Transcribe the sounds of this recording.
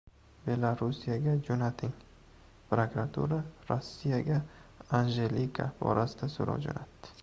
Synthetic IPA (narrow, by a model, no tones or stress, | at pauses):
be̞lˠaɾusijaɡʲad͡ʒonat̪ʰɪŋ | pɾokɾat̪ʰṵɾaɾosːijaɡʲaanʒelikʰa̰bɒ̰ɾʔasɪd̪asoɾɒ̰wd͡ʒo̰nat̪ːɪ̥